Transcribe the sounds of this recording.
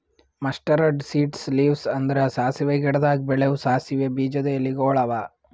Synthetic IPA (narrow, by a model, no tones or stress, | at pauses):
mɐsʈɐɾɐɖsiːʈsliːʋsɐnd̪ɐɾesaːsiʋeɡɛɽɐd̪aːɡbɛɭeʋusaːsiʋebiːd͡ʒɐd̪ejɐlːiɡoːɭɐʋa